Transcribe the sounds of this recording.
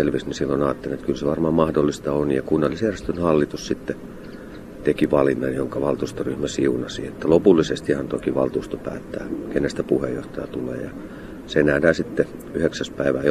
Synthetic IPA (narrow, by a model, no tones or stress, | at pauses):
elʋisnisilːonɑːt̪ːeliet̪kylseʋɑrmɑːmmɑhdolːist̪ɑonjɑkunːɑlːisjærest̪ønhɑlːit̪ussit̪ːe | t̪ekiʋɑlinːɑjoŋkɑʋɑlt̪uːst̪oryhmæsiunɑsiet̪ːælopulːisest̪iɑnt̪oikiʋɑlt̪uːst̪opæ̰ːt̪ːæ̰ːkenːest̪æpuhḛjoht̪ɑjɑt̪ulḛːjɑ̰ | seenæːdæːsit̪ːe | yheksæspæiʋæː